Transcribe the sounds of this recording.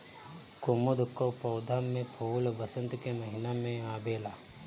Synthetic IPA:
kʊmʊd̪kopɐːd̪ʱaːmːẽpʰoːlbɐsə̃nt̪kemɐɦɪnamẽaːbeːlaː

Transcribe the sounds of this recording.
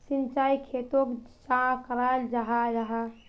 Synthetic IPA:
sint͡ʃaikʰet̪okt͡ʃãkəɾald͡ʒaɦad͡ʒaɦa

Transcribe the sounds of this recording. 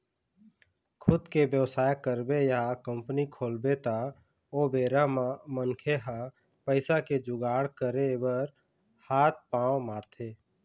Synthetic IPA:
kʰʊd̪kebjəwsaːjkəɾbejəɦakəmpənikʰoːlbet̪a | oːbeːɾamamənkʰeɦa | pəɪsaked͡ʒʊɡaːɽkəɾebəɾ | haːt̪̚ʰpãːwmaːɾt̪ʰeː

